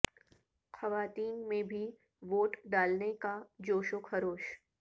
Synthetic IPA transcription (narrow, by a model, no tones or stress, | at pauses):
xɐʋaːt̪iːnmẽbʱi | ʋoːʈɖaːlnekad͡ʒoːʃʊkʰhɐɾoːʃ